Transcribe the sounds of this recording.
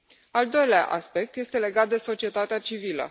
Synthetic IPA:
ald̪o̞jlea̰ʔa̰spe̞k̚t̪je̞st̪e̞le̞ɡat̪̚d̪e̞so̞t͡ʃie̞t̪at̪eat͡ʃivilə̰

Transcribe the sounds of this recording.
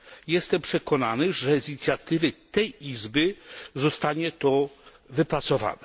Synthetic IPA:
jɛst̪ɛmpʂɛkɔnanɘʐɛzɲit̪sʲjat̪ɘvɘt̪ɛjizbɘzɔst̪aɲɛt̪ɔ | vɘpɾat̪sɔva̰nɛ

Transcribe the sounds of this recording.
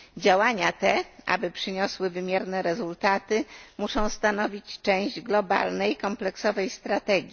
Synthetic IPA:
d͡ʑawaɲat̪ɛʔa̰bɘpʂɘɲɔswɘvɘmʲjɛɾnɛɾɛzult̪at̪ɘmuʂɔ̃w̃st̪anɔvʲit͡ɕt͡ʂɛ̃w̃ʑd͡ʑɡlɔba̰lnɛjkɔmplɛksɔvɛjst̪ɾat̪ɛɡʲi

